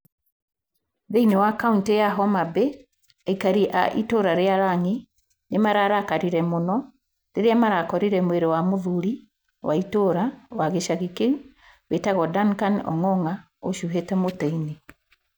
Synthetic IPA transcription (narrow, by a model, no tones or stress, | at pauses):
ðeinewakauntejaɦɔmabe | aikaɾiʔa̰ʔitoɾaɾeaɾaŋe | nemaɾaɾakaɾiɾɛmonɔ | neɾeamaɾakɔɾiɾɛmweɾewamoðuɾi | waitoɾawaɣeʃaɣike | wetaɣɔdankanɔ̰ŋɔŋa | oʃuɦetɛmoteine